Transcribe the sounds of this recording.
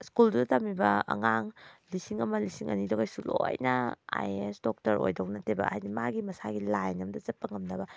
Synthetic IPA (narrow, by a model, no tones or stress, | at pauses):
skuldudɐtamibɐɐ̰ŋaŋlisiŋɐmɐlisiŋʔɐ̰nidoɡajsulojnɐa̰jesdok̚tɐɾo̰jdownɐtebɐ̰ajnimaɡimɐsaɡilajnɐmdɐzɐpːɐŋɐmdɐbɐ